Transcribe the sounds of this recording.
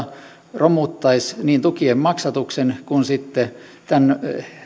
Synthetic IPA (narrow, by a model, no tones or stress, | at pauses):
romut̪ːɑisniːnt̪ukiemmɑksɑt̪uksenkunsit̪ːet̪æn